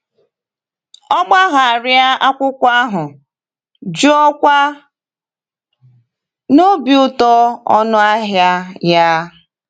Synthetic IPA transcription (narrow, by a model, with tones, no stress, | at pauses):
ɔ˦ɡ͡ba˦ɣa˨a˨ɾɪ˦a˦a˦kʷʊ˦kʷa˦ɦʊ˨ | d͡ʒu˦ɔ˦kʷa˦ | no˦bi˨ʊ˦tɔ˦ɔ˦nʊ˦a˦ɦja˦ja˦